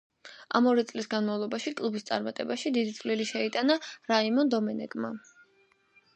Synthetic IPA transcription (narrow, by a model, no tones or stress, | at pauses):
a̰mɔɾit̪sʼlisɡanmavlˠɔbaʃikʼlˠubist̪sʼa̰ɾmat̪ʼɛbaʃid̪id̪it̪sʼliliʃɛit̪ʼanaɾaimɔnd̪ɔmɛnɛ̰kʼma̰